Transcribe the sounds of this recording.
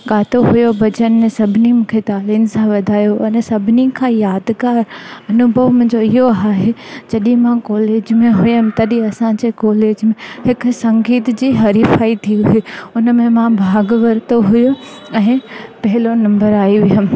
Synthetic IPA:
ɠaːt̪oɦʊjobɐd͡ʑənmẽsɐbʱɪnimũːkʰet̪aːliːnsãʋɐd̪ʱaːjoʔɐnsɐbʱɪnikʰãjaːd̪kaːɾɐnʊbʱəʋm̃ːɲd͡ʑoɪɦoaːɦed͡ʑɐɗĩmãkɔːleːd͡ʑmẽɦʊjəmt̪ɐɗĩɐsãd͡ʑekɔːleːd͡ʑmẽhɪksɐ̃ŋɡiːt̪d͡ʑiːɦɐɾifaːit̪ʰiuɦeʊnəmẽmãbʱaːɡʋɐɾt̪oɦʊjo | ɛ̃ːpɐɦɪlonɐ̃mbəɾaːiʋɪjəm̆

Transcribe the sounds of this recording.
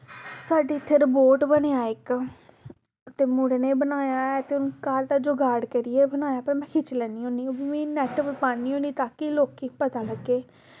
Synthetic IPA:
saːɖiːt̪ʰeɾəboːʈbəneːaːɪk | t̪eːmũːɽneːbənaːjaːɛːt̪eːʊnkaːɾd̪aːd͡ʒoːɡaːɽkəɾiɛːbənaːjaːpəɾmɛ̃ːkʰɪt͡ʃlɛːniːõːniːoːbimĩːnɛːʈʋəpaːniːɦõːniːt̪aːkiloːkiːpət̪aːləɡːeː

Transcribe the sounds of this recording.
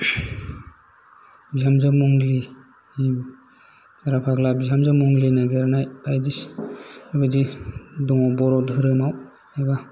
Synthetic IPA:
biɦamzamuŋli | aɾapʰaɡlabiɦamzamuŋlinaɡeɾanajpajdis | abadidɔŋɔbɔɾɔdɯɾɯmaw | ajba

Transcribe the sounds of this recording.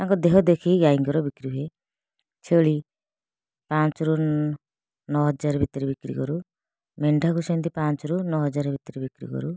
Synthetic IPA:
t̪aŋkɔd̪eɦɔd̪ekʰiɡaiŋɡɔɾɔbikɾie | t͡ʃʰeɭi | pãnt͡ʃɔɾunː | ɔɦɔd͡ʒaɾbʱit̪ɔɾibikɾḭkɔɾu | meɳɖʱakusɔnt̪ipant͡ʃɔɾunɔɦɔd͡ʒaɾɔbʱit̪ɔɾibikɾḭkɔ̰ɾu

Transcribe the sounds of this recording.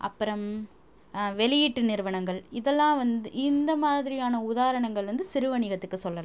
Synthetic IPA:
ʔɐ̰pːɯɾɐm | ʋɛlɪjɪʈːɯnɪɾɯʋɐnɐŋɡɐɭɪðɛlːãːʋɐnd̪ɯɪnd̪ɐmaːðɪɾɪjaːnɐʊðaːɾɐɳɐŋɡɐɭɾɐnd̪ɯsɪɾɯʋɐɳɪɣɐt̪ːɯkːɯsɔlːɐlã

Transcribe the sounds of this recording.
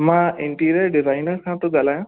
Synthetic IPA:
mãːɪ̃ɳʈiːɾəɾɖɪzaːɪnəɾkʰãːt̪oɡaːlaːj̃ː

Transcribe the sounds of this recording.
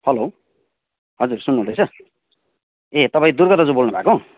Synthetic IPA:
hʌlo | ɦʌd͡zursunːuɦũd̪ʌjt͡sʰʌ | et̪ʌpaĩd̪urɡʌt̪ʌd͡zubolnʌbʱa̰kõ

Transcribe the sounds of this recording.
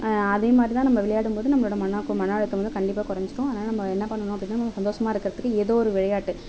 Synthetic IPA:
ɐðeːmaːd̪ɾit̪ãːnɐmːɐʋɪɭɐjaːɽɯmpoːðɯnɐmːɐɭoːɽɐmɐnɐkːmɐɳaɭɯk̪ːɯʋɐnd̪ɯkɐɳɖɪp̬ːaːkʊɾɐɲd͡ʒɯʈːʊ̃ɐðnaːlɐnɐmːɐɛnːɐpɐɳːɐnʊ̃ɐpːɐɽɪnːaːnɐmɐmːɐsɐnd̪oːʂɐmaːɪɾɯkːɪɾɐðɯkːɯeːðoːɔɾɯʋɪɻɐjaːʈːɯ

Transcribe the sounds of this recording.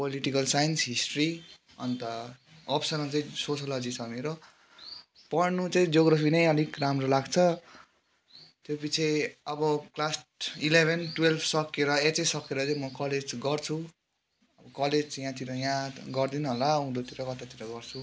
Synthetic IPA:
poliʈikʌlsajʌnsɦisʈri | ʌ̰nt̪ʌʌpsʌnʌt͡saĩsot͡sʰʌlʌd͡zit͡sʰʌmeɾo | pʌrnut͡saĩd͡zoɡɾʌpʰinʌjʌlikramrolaɡt͡sʰʌ | t̪jopit͡sʰeʌbʌklasʈilebʱenʈwelbʰsʌkːeɾʌet͡sʌjsʌkeɾʌt͡saĩmʌkʌled͡zɡʌrt͡sʰu | ʌbʌkʌled͡zt͡sjãt̪iɾʌjãɡʌrd̪inuɦolaũd̪ot̪iɾʌkʌt̪at̪iɾʌɡʌrt͡sʰu

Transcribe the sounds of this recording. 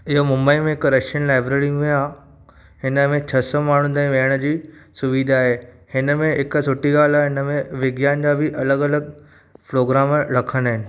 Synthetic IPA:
ɪɦomʊ̃mbəimẽɪkɾɐʃənlaːɪbɾeːɾɪj̃ŋɡʊjã | hɪnəmẽt͡ɕʰɐsɔmaːɳ̤ũd̪aːĩʋeɦəɽ̃əd͡ʑiːsʊʋid̪ʱaaːɦeː | hɪnəmẽɦɪksʊʈiɡaːlaɦɪnəmẽʋɪɡjaːnd͡ʑaːbʱɪʔɐləɡɐləɡ | pɾoːɡɾaːmɾɐkʰənaːɦɪnɪ̆

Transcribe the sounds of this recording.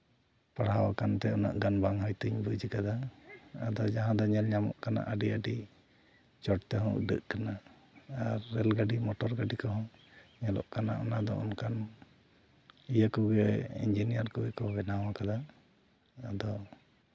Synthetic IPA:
paɽ̤awakant̪ɛɔna̰ʔɡanbaŋɦɔjt̪uɲbud͡ʒikad̪aː | d̪ɔd͡ʒaɦãd̪ɔɲɛlɲamɔ̰ʔkana̰ʔəɖiəɖi | t͡ʃɔʈt̪ɛɦɔ̃ɖə̰ʔkanaː | ɾːɛlɡaɖimɔʈɔɾɡaɖikɔɦɔ̃ɲɛlɔ̰ʔkanaʔɔnad̪ɔ̰ɔnkan | ijakɔɡɛḭnd͡ʒinijaɾkɔwɛkɔbɛnawakad̪aː | d̪ɔ

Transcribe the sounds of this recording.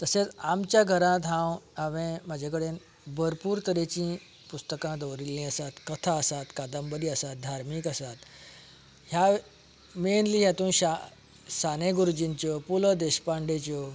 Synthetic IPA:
t̪əset͡samt͡ɕjaɡʱəɾãt̪ɦãwaʋẽmad͡ʑʱekəɽen | bʱəɾpuːɾt̪əɾet͡ɕĩ | pust̪əkãd̪əwɾilĩəsat̪kət̪ʰaəsat̪kad̪əmbəd̪iəsat̪̚d̪ʱaɾmikəsat̪ | ɦja | menliːɦjat̪ũːnɕa | saneɡuɾud͡ʑint͡ɕɔpuləd̪eɕpaɳɖet͡ɕɔ

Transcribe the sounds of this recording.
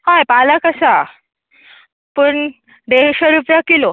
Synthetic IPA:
hajpaləkəsa | pəɳ | ɖ̪eɕaɾupjakilo

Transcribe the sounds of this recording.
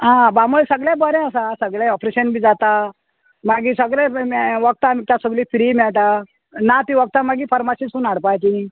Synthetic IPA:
ɦãbamolsəɡɭjãbɔɾẽəsasəɡɭ̃ɔpɾeɕənbʱiːd͡zat̪a | maɡisəɡɭẽʋəɡ̚t̪amiːkt̪jasəɡliːfiɾimɛɭt̪a | nat̪iʋək̚t̪amaɡiːfʰəɾmasisunaɽpajt͡ɕini

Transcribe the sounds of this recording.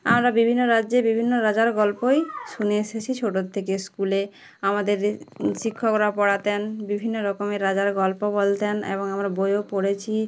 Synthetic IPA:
a̰mɾabibʱinːoɾadːebibʱinːoɾad͡ʑaɾɡɔlpojʃuneeʃet͡ɕʰit͡ɕʰoʈot̪ʰːekeskule | amad̪eɾʃikʰːokɾapɔɽat̪enbibʱinːoɾɔkomeɾad͡ʑaɾɡɔlpobolt̪enḛβoŋamɾabojopoɽet͡ɕʰi

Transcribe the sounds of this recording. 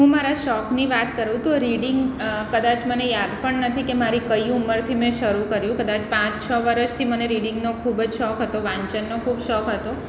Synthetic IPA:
ɦũmaɾaʃɔkniʋat̪kəɾũt̪oɾiɖiŋɡkəd̪at͡ʃmənejad̪pəɳnət̪ʰikemaɾikəiuməɾt̪ʰimẽʃəɾukəɾjũkəd̪at͡ʃpãt͡ʃt͡ʃʰəʋəɾət͡ʃt̪ʰiməneɾiɽɪŋɡnokʰubd͡ʒʃɔkɦət̪oʋãɲt͡ʃənːokʰubʃɔkɦət̪o

